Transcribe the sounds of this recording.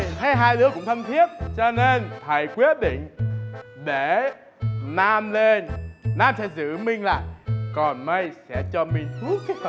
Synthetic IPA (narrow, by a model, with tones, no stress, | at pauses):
ha˧jɦaː˧jɗɨ˦əkʊ̰˧˥ŋ͡mt̪ʰə˧mt̪ʰi˦˥əp̚t͡ɕɔ˧ne˧nt̪ʰə˨˩˨jkwi˦˥ət̚ɗḭ̈˧˨ŋ̟ | ɗe˧˩ | naː˧mle˧nːaː˧msɛ̰˧˥zɨ̰˧˨mï˧ŋ̟la̰ː˧˨jkɔ˨˩nmə˧jsɛ̰˧˥t͡ɕɔ˧mï˧˩ŋ̟t̪ʰu˦˥ət̚k